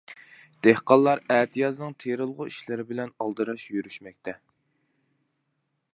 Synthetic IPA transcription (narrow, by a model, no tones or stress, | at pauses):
d̪̥ehqɑlˠːɑɾæt̪ʰijɑznɨŋt̪ʰeɾɨlˠʁʊiʃlɪɾɪbɪlɛnɑlˠd̪ɨɾɑʃjyɾyʃmɛk̚ʲt̪ʰɛ